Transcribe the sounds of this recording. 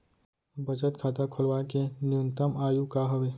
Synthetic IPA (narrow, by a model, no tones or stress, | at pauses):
bəd͡ʒət̪kʰaːt̪akʰʊlwakenɪjʊnt̪əmaːjukaɦɐʋeː